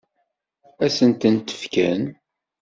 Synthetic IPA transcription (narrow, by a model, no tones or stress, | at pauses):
æsənt̪ənt̪ə̥fkæn